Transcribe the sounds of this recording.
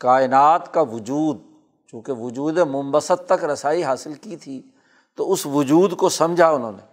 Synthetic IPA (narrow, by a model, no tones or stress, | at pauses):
kaːɪnaːt̪kaʋʊd͡ʒuːd̪̚ | t͡ʃũːkeʋʊd͡ʒuːd̪emʊmbəsət̪̚t̪ɐkɾɐsaːiɦaːsɪlkit̪ʰiː | t̪oʊsʋʊd͡ʒuːd̪kosɐmd͡ʒʱaʊnɦõ̰ːneː